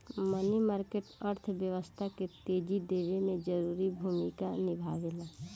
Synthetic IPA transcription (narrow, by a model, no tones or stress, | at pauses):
mənimaːɾkeːʈəɾt̪ʰʋjəʋəst̪ʰaket̪eːd͡ʒid̪eːɾemẽd͡ʒəɾuːɾibʱuːmikanɪbʱaːʋelaː